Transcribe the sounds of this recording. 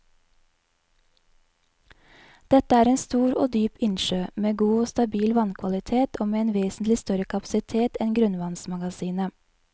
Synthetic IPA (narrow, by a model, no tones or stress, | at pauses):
d̪̥ɛt̪əæːɾeːnst̪uːɾo̰ːd̪yːpɪnʃøːmeːɡuːost̪ɑbiːlʋɑnkʰʋɑlɪt̪ʰeːt̪ʰoːmeːeːnʋeːsn̩t̪lɪst̪œɾəkʰɑpɑ̥sɪt̪ʰeːt̪ɛnɡɾʉnʋɑnsmɑɡɑsiːnə